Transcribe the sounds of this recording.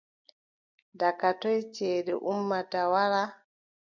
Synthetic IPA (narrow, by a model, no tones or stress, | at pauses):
dakatɔjt͡ʃeːdɛ̰ʔumːatawaɾa